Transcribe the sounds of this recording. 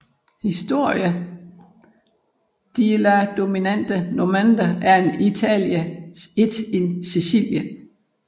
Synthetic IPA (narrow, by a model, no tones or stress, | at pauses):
hisd̥o̝ɐ̰jə | d̥ilæd̥o̝minæn̰d̥ənomænd̥ɐæɐe̝nit͡sʰɛ̰ljəe̝d̥ensisḭljə